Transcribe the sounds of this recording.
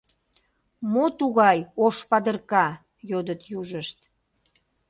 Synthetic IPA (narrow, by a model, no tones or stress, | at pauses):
mot̪uɣɑjoʃpɑd̪ərkɑ | jod̪ət̪juʒəʃt̪